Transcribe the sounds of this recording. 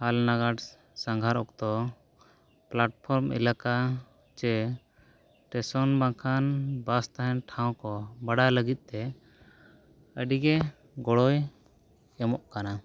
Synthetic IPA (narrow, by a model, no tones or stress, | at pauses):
halnaɡaʈ | sãŋɡʱaɾɔk̚t̪ɔ | plaʈ̚pʰɔɾmḭlaka | t͡ʃɛ | ʈɛsɔnbãŋkʰanbast̪aɦɛnʈʰãw̃kɔbaɽaləɡit̪̚ˀt̪ɛ | əɖiɡɛ | ɡɔɽɔj | ɛmɔʔkana